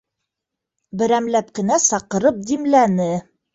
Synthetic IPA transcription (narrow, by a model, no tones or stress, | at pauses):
bɘ̆ɾæmlæp̚kɘ̆næsɑqɤ̆ɾɤp̚d̪imlænɘ